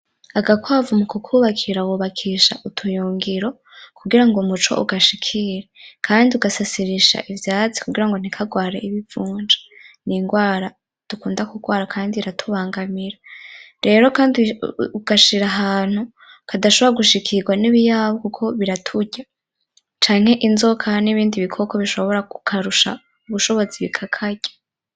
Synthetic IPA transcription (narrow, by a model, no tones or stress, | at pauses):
aɡakwaavumukukʰuːβakʰiɾawuβakʰiʃa̰ʔutʰujuːŋɡiɾo̞ | kuɡiɾaŋɡomut͡ʃo̞̰ʔuɡaʃikʰiɾekʰaːndiuɡasasiɾiʃa̰ʔivjaːt͡si̥kuɡiɾaŋɡon̥ikʰaɡwaːɾe̞iβivuːnd͡ʒḁniːŋɡwaːɾa | d̥ukuːndakuɡwaːɾakʰaːndiɾatʰuβaːŋɡamiɾaɾe̞ːɾo̞kaːnduɡ̥aʃiɾaɦaːn̥hu | kʰadaʃoβoɾaɡuʃikʰiɡwaniβijaβokukʰo̞βiɾatʰuɟa | t͡ʃaːŋ̥e̞ʔinzo̞kʰaniβiːndiβikʰo̞koβiʃo̞βo̞ɾakukʰaɾuʃa̰ | uβuʃo̞βo̞ziβikʰakʰaɟḁ